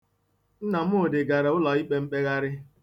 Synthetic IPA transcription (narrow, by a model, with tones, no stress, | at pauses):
n̩˦na˨m̩˦o˨dɪ˨ɡa˨ɾa˨ʊ˦lɔ˨i˦k͡pe˦m̩˦k͡pe˦ɣa˦ɾɪ˦